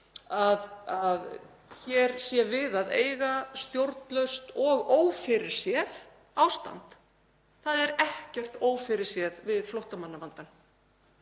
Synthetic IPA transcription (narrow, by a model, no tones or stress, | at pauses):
aðað | çɛɾsjɛvɪðaðḛːjɣast̪jowɾt̪lœɥst̪ɔɣoːwfɪɾɪɾ̥sjɛð | awst̪a̰nt̪ | θaðɛɾɛhcɛr̥t̪oːwfɪɾɪɾ̥sjɛðvɪðflowht̪amanːavant̪an